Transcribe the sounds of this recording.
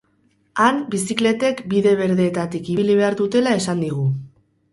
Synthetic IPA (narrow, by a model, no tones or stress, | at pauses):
anbisikle̞t̪e̞kbiðe̞β̞e̞ɾðeːt̪at̪ikiβiliβe̞aɾðut̪e̞lae̞sand̪iɣ̞u